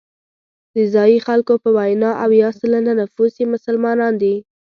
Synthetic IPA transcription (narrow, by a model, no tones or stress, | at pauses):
d̪̥əzɑjixalkopəwajnɑʔawjɑsələnanafusimʊsəlmɑnɑnd̪i